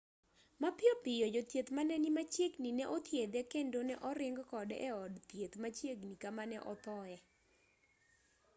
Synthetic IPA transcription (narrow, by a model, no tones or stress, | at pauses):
mapɪɔpɪjɔd͡ʒot̪jet̪manɛnimat͡ʃjeɡninɛʔot̪jed̪ɛkendonɛʔɔɾɪŋɡkɔdɛ̰ɔdt̪jet̪mat͡ʃeɡnikamanɛʔɔt̪ɔɛ